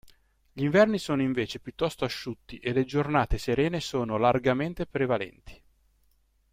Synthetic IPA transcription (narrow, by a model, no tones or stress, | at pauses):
ʎiɱvɛrnisoːnoiɱveːt͡ʃepjut̪ːɔst̪oaʃːut̪ːiʔeled͡ʒornaːt̪eseɾɛːnesoːnolarɡament̪epɾevalɛ̰nt̪ʰi̥